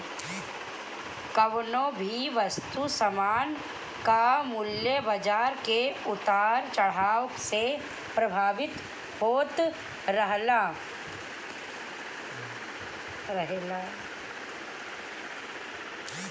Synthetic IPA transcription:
kəʋnõbʱiʋəst̪usəmaːn | kamʊljəbəd͡ʒaːɾkeʊt̪aːɾt͡ʃɐɽ̤aːʋəkse | pɾɐbʱaːʋɪt̪ | hoːt̪ | ɾəɦlaː | ɾəɦela

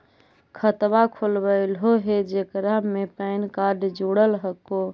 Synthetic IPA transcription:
kʰət̪bakʰolbəɪlɦoɦed͡ʒekɾamepəɪnkaɾɖd͡ʒuɽəlɦəko

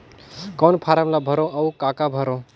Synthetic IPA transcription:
kɔnpʰaɾəmlabʱəɾõʔəwkakabʱəɾõ

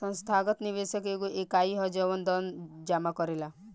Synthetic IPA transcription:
ʌnst̪ʰaɡɔt̪niʋesəkekuʔekaiɦɔd͡ʒɔʋɔnd̪ɔnd͡ʒamakɔɾela

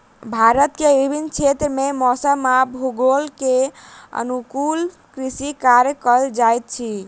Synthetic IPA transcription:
bʱaɾət̪keʋibʱint͡ʃʰet̪ɾəmemɔsəmabʱuɡolkeə̰nukul | kɾisikaɾjəkəld͡ʒajt̪̚t͡ʃʰi

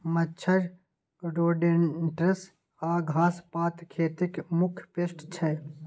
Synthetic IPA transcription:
mɐt͡ʃʰɐɾ | ɾoːɖenʈɾɪs | aːɡʱaːspaːt̪kʰeːt̪ɪkmʊkʰpesʈt͡ʃʰɛ

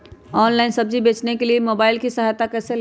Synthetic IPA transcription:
ɔːnlaːɪnsɐb̚d͡ʒibeːt͡ʃnekeliemoːbaːɪlkisɐɦajt̪akɛːsel

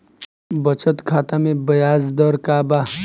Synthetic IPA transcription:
bɐt͡ɕət̪kʰaːt̪amebɐjaːzd̪ɔɾkaːba

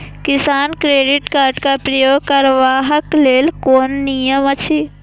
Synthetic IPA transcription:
kɪsaːnkɾeːɖɪʈkaːɾɖkapɾɐjoːɡ̚kɐɾʋaːɦəkleːlkoːnːijəmɐt͡ʃʰi

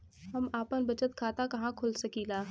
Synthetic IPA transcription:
ɦɐmaːpənbɐt͡ʃət̪kʰaːt̪akɐɦãkʰʊlsɐkilaː

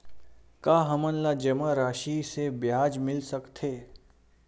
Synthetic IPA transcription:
kaːɦəmənlad͡ʒɐmaɾaːʃisebjaːd͡ʒmɪlsəkt̪ʰeː

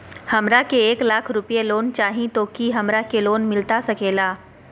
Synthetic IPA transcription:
hɐmɾakeeːklaːkʰɾʊpjeloːnt͡ʃaːɦĩt̪oːkiɦɐmɾakeloːnmɪlt̪asɐkeːlaː

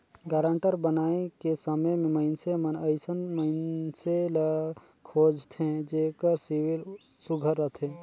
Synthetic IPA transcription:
ɡaːɾə̃ɳʈəɾbənaːekesəməjmẽməɪnsemənəɪsənməɪnselə | kʰod͡ʒt̪ʰẽd͡ʒekəɾsiwil | suɡʱəɾːət̪ʰẽ

